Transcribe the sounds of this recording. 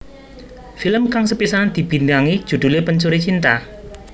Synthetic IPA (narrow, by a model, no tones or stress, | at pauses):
filəmkaŋsəpisaand̪̥i̤b̥i̤nd̪aŋi̥ʒ̥ṳd̪̥ṳlepəɲt͡ʃuɾet͡ʃint̪a̰